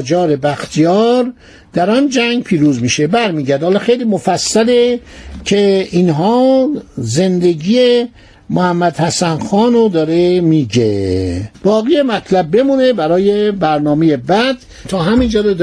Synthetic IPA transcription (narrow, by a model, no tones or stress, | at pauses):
d͡ʒɒːɾe̞bæxt̪ʰijɒːɾ | d̪̥æɾɒnd͡ʒæŋɡpʰiːɾuːzmiːʃebæɾmiːɟæɾd̪hɒːlɒxejliːmofæsːælecʰeinɦɒː | ze̞nd̪e̞ɡiːe | mohæmːæd̪hæsænxɒːnod̪ɒːɾemiːɟḛb̥ɒːɣijemæt̪ʰlæb̚ːe̞mune̞bæɾɒːje̞bæɾnɒːmejebæd̪̥ | t̪ʰɒːɦæmind͡ʒɒːɾo